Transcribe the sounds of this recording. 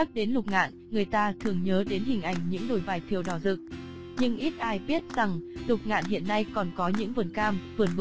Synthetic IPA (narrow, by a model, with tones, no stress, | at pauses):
a˦˥k̚ɗe˨˦nlʊ˨˩k͡p̚ŋa̰ː˧˨nŋɨ˨˩əjt̪aː˧t̪ʰɨ˨˩əŋɲəː˨˦ɗe˨˦nɦï˨˩ŋ̟ʔa˨˩jŋ̟ɲɨ̰˧˥ŋɗo˧˩jvaː˨˩jt̪ʰi˨˩əwɗɔ˧˩zɨ˨˩k̚ | ɲɨ̰˧ŋʔi˦˥t̚ʔaː˧jɓi˦˥ət̚za˨˩ŋlʊ˨˩k͡p̚ŋa̰ː˧˨nɦḭ˧˨ənːa˧jkɔ˨˩nkɔ˨˦ɲɨ̰˧˥ŋvə˨˩nkaː˧mvɨ˨˩ənv